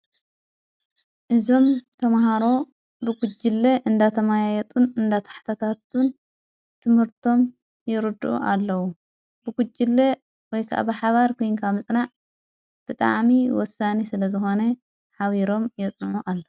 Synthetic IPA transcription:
ʔɨzo̞mt̪ʰɐmaɦaɾo̞ | bɨɡud͡ʒɪlːeʔɨnd̪at̪ʰɐmajajɛt̪ʼunɨnd̪at̪ʰḁħt̪ʰat̪ʰat̪ʰun | t̪ʰɨmhɨɾt̪ʰo̞m | jɪɾɨd̪uʔṵʔalːɐwu | b̥ɨɡud͡ʒːɪlːe | wɔjkʰaʔa̰bɨħaβaɾkʰojnkʰamɨt͡sʼnaʕ | b̥ɨt̪ʼa̰ʕmiwɔsanisɨlɐzɨxo̞nɐ | ħaβiɾo̞mjɛt͡sʼnʕuʔalːo

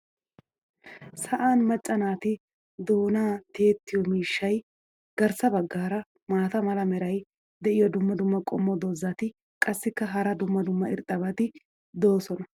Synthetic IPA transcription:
sɐʔaːnmɐt͡ʃʼːɐnaːt̪ɪ | d̪o̞ːnaːt̪eːt̪ːɪjɔmiːʃːɐj | ɡ̥ɐɾsɐbɐɡːaːɾɐ | maːt̪ɐmɐlɐmɛɾɐj | d̪ɛʔɪjɔd̪ʊmːɐd̪ʊmːɐkʼɔ̰mːɔd̪oːzːaːt̪ɪ | kʼɐsːɪkːɐɦɐɾɐd̪ʊmːɐd̪ʊmːɐɪɾt̪ʼɐbɐt̪ɪ | d̪o̞ːsɔnɐ

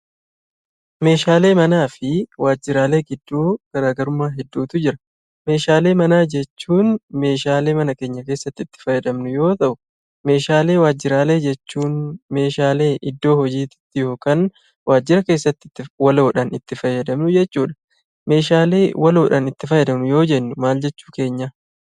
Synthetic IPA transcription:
me̞ːʃaːle̞ːmɐnaːfɪwaːd͡ʒːɪɾaːle̞ːɡɪd̪ːuːkɐɾaːɡɐɾʊmːaːɦɛd̪ːuːt̪ʊd͡ʒɪɾɐ | me̞ːʃaːle̞ːmɐnaːd͡ʒɛt͡ʃːuːnme̞ːʃaːle̞ːmɐnɐke̞ːɲːɐke̞ːsːɐt̪ːɪt̪ːɪ̥fɐjːɐd̪ɐmnʊjo̞ːt̪ɐʔʊ | me̞ːʃaːle̞ːwaːd͡ʒːɪɾaːle̞ːd͡ʒɛt͡ʃːuːnme̞ːʃaːle̞ːʔɪd̪ːo̞ːhɔd͡ʒiːt̪ɪ̥t̪ːɪjo̞ːkɐn | waːd͡ʒːɪɾɐke̞ːsːɐt̪ːɪːɪwɐloːᶑɐnɪt̪ːɪfɐjːɐd̪ɐmnʊd͡ʒɛt͡ʃːuːᶑɐ̥ | me̞ːʃaːle̞ːwɐloːᶑɐnɪt̪ːɪfɐjɛd̪ɐmʊjo̞ːd͡ʒɛnːʊmaːld͡ʒɛt͡ʃːuːke̞ːɲːa

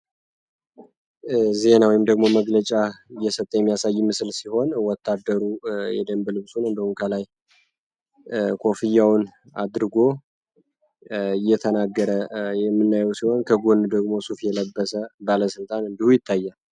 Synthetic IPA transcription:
ze̞nawɔjɪmd̪əɡmo̞məɡlət͡ʃʼaɨjːɛsət̪ʼːəjɛmːijasajːmɨsɨlsiho̞nwɔt̪ʰːad̪ːəɾujɛ̰d̪əmbəlɨβsunɨnd̪əhuŋkʰəlaj | kʰo̞fijːawn | a̰d̪ɾɨɡo̞ | ɨjːɛt̪ʰənaɡːəɾəjɛmːɨnːajəwsiho̞nkʰəɡonud̪əɡmo̞sufjɛləbːəsəbaləsɨlt̪ʼanɨnd̪ihujɪt̪ʰːajːal

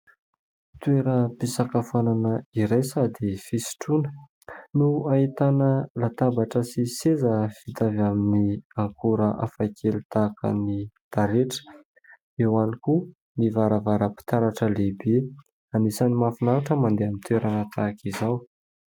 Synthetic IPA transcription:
t̪weɾəpisakafananəiɾajsad̪efisi̥ʈ͡ʂunə̥ | nuaɦit̪anəlat̪abaʈ͡ʂəsisezəfit̪avaminiaŋkʰuɾəʔafajkʰelit̪akə̰nit̪aɾeʈ͡ʂə̥ | ewaniku | nivaɾavaɾəpi̥t̪aɾaʈ͡ʂəlebe | anisanimafinaaʈ͡ʂəmand̪eamint̪weɾanat̪ʰakizaw

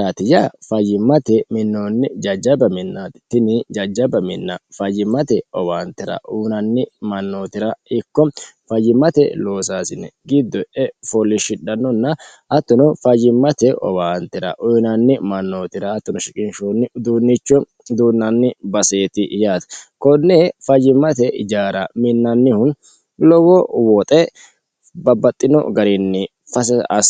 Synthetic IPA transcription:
aːt̪ɪjafɐjːɪmːɐt̪ɛmɪnːo̞ːnːɪd͡ʒɐd͡ʒɐbɐmɪnːaːt̪t̪ɪnɪd͡ʒɐd͡ʒɐbɐmɪnːɐfɐjːɪmːɐt̪ɛɔwaːnt̪ːɪɾɐ̰ʔuːnɐnːɪmɐnːo̞ːt̪ɪɾɐɪkːɔfɐjːɪmːɐt̪ɛlo̞ːsaːsɪnːɛ̰ɡɪd̪ːɔɛfɔlːɪʃɪɗɐnːɔnːɐ | ɐt̪ːɔnɔfɐd͡ʒɪmːɐt̪ɛɔ̰baːnt̪ːɪɾɐ̰ʔɔjnɐnːɪmɐnːoːt̪ɪɾɐːt̪ːɔnɔʃɪkʼɪnʃonːɪd̪uːnːɪt͡ʃːɔ | d̪uːnːɐnːɪbɐseːt̪ɪjaːt̪ɐ̥kɔnːeːfɐd͡ʒɪmːɐt̪ɛd͡ʒaːɾɐmɪnːɐnːɪhʊn | lɔɡɔwɔt̪ʼɛ | bɐbːɐt̪ʼːɪnɔ̰ɡɐɾɪnːɪ | fɐɐ

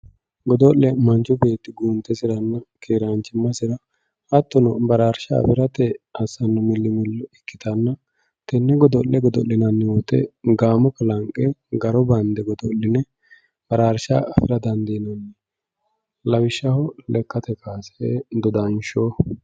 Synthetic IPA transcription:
ɡɔd̪ɔʔːɛmɐnt͡ʃʊbe̞ːt̪ːɪɡuːnt̪ːɛsɪɾɐnːɐkʰeːɾant͡ʃːɪmːɐsɪɾɐ | ɐt̪ːɔnɔbɐɾaːɾʃɐ̰ːfɪɾɐt̪ɛɐsɐnːʊmɪlːɪmɪlːɔɪkːɪt̪ɐnːɐ | t̪ɛnːɛɡɔd̪ɔlːɛɡɔd̪ɔ̰ʔlːɪnɐnːɛwɔt̪ːɛ̰ɡaːmɔkɐlɐŋkʼːɛɡɐɾɔbɐnd̪ɛɡɔd̪ɔlːɪnɛ | b̥ɐɾaːɾʃaɐfɪɾɐd̪ɐnd̪inɐnːɛ | lɐwɪʃːɐhɔlɛkːɐt̪ɛkʰaːsd̪ɔd̪ɐnʃo

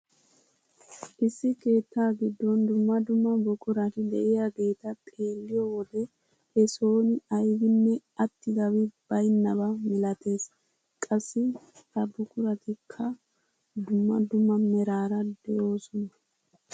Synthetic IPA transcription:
ʔɪsːɪke̞ːt̪ːaːɡɪd̪ːɔnd̪ʊmːɐd̪ʊmːɐbɔkʼʊɾɐt̪ɪd̪ɛʔɪjaɡe̞ːt̪ɐt̪ʼe̞ːlːɪjɔwɔd̪ɛ | ɛso̞ːnɪɐjbɪnːɛɐt̪ːɪɡ̪ɐwɪb̥ɐjnːɐbɐmɪlɐt̪ʰe̞ːs | kʼɐsːɪ | t̪ɐbɔkʼʊɾɐt̪ɪkʰːɐ | d̪ʊmːɐ̰d̪ʊmːɐmɛɾaːɾɐd̪ɛjo̞ːsɔnɐ

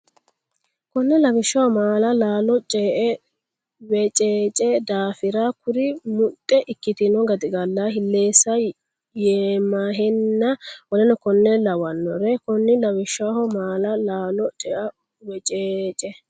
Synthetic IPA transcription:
kɔnːɛlɐwɪʃːɐwɔmaːlɐlaːlɔt͡ʃʼɛːʔɛ | wɛt͡ʃʼeːt͡ʃʼɛd̪aːfɪɾakʊɾɪmʊt̪ʼːɛʔɪkːɪt̪ɪnɔɡɐd̪ɪɡɐlːaɦɪlːeːsɐ | jeːmaːɦɛnːɐwɔlɛnɔkɔnːɛlɐwɐnːɔɾɛkɔnːɪlɐwɪʃːahɔmaːlɐlaːlɔt͡ʃʼɛʔɐ | wɛt͡ʃʼeːt͡ʃʼɛ

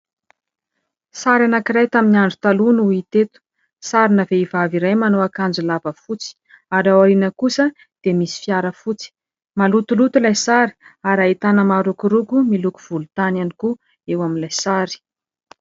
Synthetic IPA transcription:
saɾanakiɾajt̪aminiaɳɖ͡ʐut̪alunuit̪et̪u̥ | saɾinəveivaviɾajmanoakand͡zulabəfut͡si̥ | aɾawaɾinəkusə | d̪̥emisi̥fiaɾəfut͡si̥ | malut̪ulut̪ulajsaɾi̥aɾait̪anəmaɾukuɾukumiluku̥v̥ulut̪ananiku | ewaminlajsaɾi̥

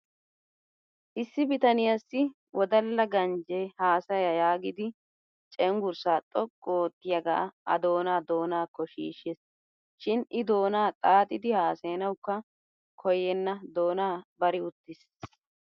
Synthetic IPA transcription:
ʔɪsːɪbɪt̪ɐnɪjɐsːɪ | wʔɔd̪ɐlːɐɡɐnd͡ʒɛhaːsɐjɐjaːɡɪd̪ɪ | t͡ʃʼɛŋɡʊɾsaːt̪ʼɔkʼːoːt̪ːɪjɐɡa̰ːɐ̰d̪o̞ːnaːd̪o̞ːnaːkːɔʃḭːʃɛs | ʃɪnʔɪd̪o̞ːnaːt̪ʼaːt̪ʼɪd̪ɪhaːseːnɐwʊkːɐ | kʰɔjɛnːɐd̪oːnaːbɐɾɪʊt̪ːɪs

